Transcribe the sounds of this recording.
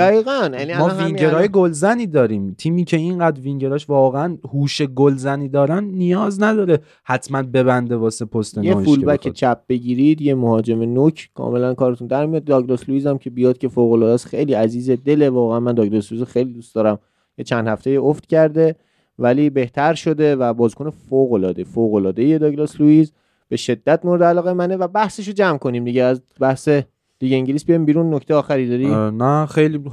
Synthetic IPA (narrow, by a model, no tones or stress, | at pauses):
d̪æɣiːɣænjænimɒːviɲɟeɾɒːjeɡolzæniːd̪ɒːɾiːmt̪ʰiːmiːcʰe̞inɢæːd̪ɾviŋɟe̞ɾɒːʃvɒːɣeænhuːʃeɡolzæniːd̪ɒːɾænːijɒːznæd̪ɒːɾe | hæt̪ʰmænbe̞bænd̪e̞bɒːsepʰost̪enjeoulbækʰet͡ʃʰæp̚b̥e̞ɟiːɾiːd̪jemohɒːd͡ʒe̞menocʰkʰɒ̰ːme̞lænkɒːɾet̪und̪æɾmijɒd̪̚d̪ɒːɡɾesluiːzæmcʰe̞bijɒːd̪̥̚cʰe̞foɣolɒːd̪æsxejliːæziːzed̪e̞levɒːɣeænmænd̪ɒːɡɾesluizxejlid̪ust̪d̪ɒːɾæm | jet͡ʃʰænd̪̥hæft̪ejioft̪cæɾd̪e̞ | væliːbe̞ht̪ʰæɾʃo̞d̪e̞væbɒːzkʰonefoɣo̞lɒːd̪e̞foːɣolɒːd̪ejed̪ɒːɡlɑsluiːz | b̥e̞ʃe̞d̪ːæt̪moɾed̪eælɒːɣemænevæbæhse̞ʃ̬od͡ʒæmkʰo̞niːmd̪iɟeːz | bæhse | liɟeiɲɟelisbijɒjimbiːɾunːocʰt̪ejɒːxæɾiːd̪ɒɾinæxejli